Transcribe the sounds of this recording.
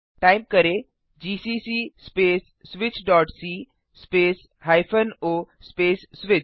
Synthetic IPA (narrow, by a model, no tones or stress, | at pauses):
ʈaːɪmkɐɾe | d͡ʒiːsiːsiːspeːsːʋɪt͡ʃɖɔːʈsiː | speːs | haːɪpʰənoːspeːsːʋɪt͡ʃ